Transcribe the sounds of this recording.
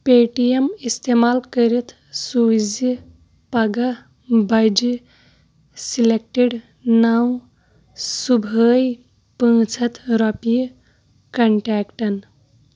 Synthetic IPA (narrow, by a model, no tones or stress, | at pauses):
peʈijemist̪emaːlkəɾit̪ʰ | sud͡ʒi | pɐɡa | bɐjd͡ʒi | silek̚ʈeɖ | naw | subʱəːj | pə̃ːt͡ʃʰɐt̪ɾɔpi | kɐɳʈɛːkʈɐn